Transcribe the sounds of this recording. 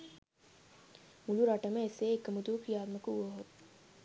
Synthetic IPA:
muluɾaːʈamẽɪsːeːkːɐmʊd̪uːkijaːd̪mekuoɦoːt̪

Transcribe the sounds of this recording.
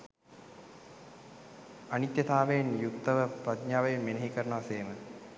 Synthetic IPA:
anit̪jɐt̪ʰaːʋejenjukt̪ɐʋəpɾad̪̚ɲaːʋɐjenʋinɐɦikəɾəɳəʋaseːmə

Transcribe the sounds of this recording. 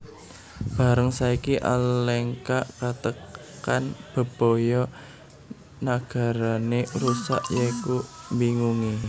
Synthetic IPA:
b̥a̤ɾəŋsaikiʔa̰lɛŋkaʔkat̪ək | anb̥ə̤b̥o̤jɔ | naɡ̥a̤ɾaneɾusa̰ʔjekumbiŋuŋi

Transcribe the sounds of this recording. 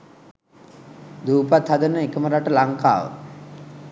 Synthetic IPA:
d̪uːpat̪had̪ənəekəməɾaʈəlaŋka̰ːʋə̰

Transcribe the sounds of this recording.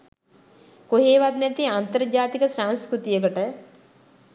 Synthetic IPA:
koɦeːʋat̪næt̪iant̪əɾd͡ʑaːt̪ikəsaŋskɾut̪ijəkəʈə

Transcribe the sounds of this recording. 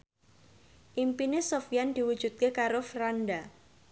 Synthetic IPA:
ʔimpinesofjand̪̥iwud̥ʒ̥ṳd̪̚kekaɾofɾanda

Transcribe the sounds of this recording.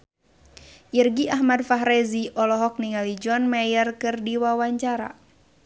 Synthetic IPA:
ʔirɡiʔaɦmadfaɦɾɛziʔɔlɔɦɔk̚niŋalid͡ʒɔnmɛjərkɨrdiwawaɲt͡ʃaɾa̰

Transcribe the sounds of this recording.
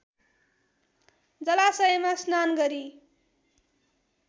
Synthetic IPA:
d͡zʌlasʌʌmasnanɡʌɾi

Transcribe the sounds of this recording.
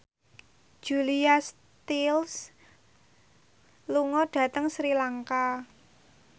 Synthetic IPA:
d͡ʒ̥ulias | t̪ils | luŋɔɖ̥ä̤t̪əŋsɾilaŋka

